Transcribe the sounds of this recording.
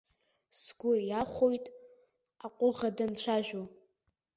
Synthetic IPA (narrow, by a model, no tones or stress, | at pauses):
sɡʷʊjaχʷojtʼ | aqʷʼʊʁadant͡ɕʷʰaʒᶣo